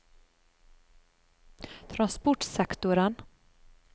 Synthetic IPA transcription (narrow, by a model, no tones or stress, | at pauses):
t̪ʰɾanspɔʈsɛkt̪ʊɾən